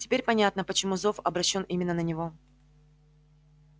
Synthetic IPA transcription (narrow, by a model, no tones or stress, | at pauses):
tʲɪ̥pʲeɾʲpɐnʲat̪nəpət͡ɕɪmuzo̞fɐbɾɐɕːo̞nʔimʲɪnːənənʲɪvo̞